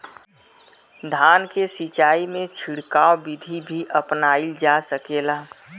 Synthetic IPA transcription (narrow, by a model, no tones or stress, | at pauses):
d̪ʱaːnkesit͡ʃaːimẽt͡ʃʰiɽkaːobɪd̪ʱibʱiʔəpnaːild͡ʒasəkeːlaː